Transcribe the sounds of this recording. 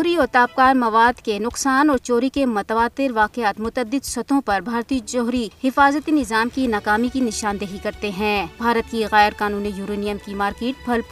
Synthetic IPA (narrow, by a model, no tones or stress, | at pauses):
ɦɾiɔːɾt̪aːp̚kaːɾmɐʋaːd̪kenʊqsaːnɔːɾt͡ʃoːɾikemɐt̪əʋaːt̪ːɪɾʋaːqɪaːt̪mʊt̪əd̪ːɪd̪sɐt̪ʰõpɐɾbʱaːɾt̪iːəd͡ʒɔːɦɾihɪfaːzət̪inɪzaːmkinaːkaːmikinɪʃaːnd̪eɦikɐɾt̪eɦɛ̃ːbʱaːɾət̪kiɣɛːɾkaːnuːnijuːɾeːnɪjəmkimaːɾkeːʈ̚bʰɐlp